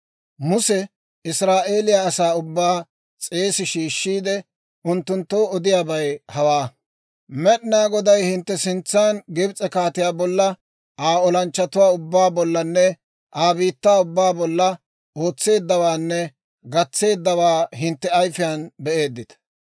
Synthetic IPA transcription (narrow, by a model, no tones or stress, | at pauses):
mʊsɛ | ɪsɾaːʔe̞ːlɪjaːsaːʊbːaː | t͡sʼe̞ːsɪʃiːʃːiːd̪ɛ | ʔʊnt̪ːʊnt̪ːoːɔd̪ɪjaːbɐjhɐwaː | mɛɗnaːɡɔd̪ɐjhɪnt̪ːɛsɪnt͡sːaːnɡɪbt͡sʼɛkaːt̪ɪjaːbɔlːɐ | aːɔlɐnt͡ʃːɐt̪ʊwaːʊbːaːbɔlːɐnːɛ | ʔaːbiːt̪ːaːʊbːaːbɔlːɐ | o̞ːt͡sːe̞ːd̪ːɐwaːnːɛ | ɡɐt͡sːe̞ːd̪ːɐwaːɦɪnt̪ːɛɐjfɪjaːnbɛʔe̞ːd̪ːɪt̪ɐ̥